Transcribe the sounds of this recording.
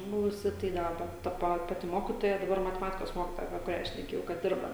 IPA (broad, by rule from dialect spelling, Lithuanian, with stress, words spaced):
ˈbʊʋʊsʲɪ tɐɪ ˈdɑːbɐ tɐ ˈpɐ ˈpɑːtʲɪ ˈmoːkʲɪtoːjɛ dɐˈbɐr mɐtʲɛˈmɑːtʲɪkoːs ˈmoːkʲɪtoːjɛ ɐpʲiɛ kʊˈrʲæː ʃʲnʲɛˈkʲeːjɛʊ kɐt ˈdʲɪrbɐ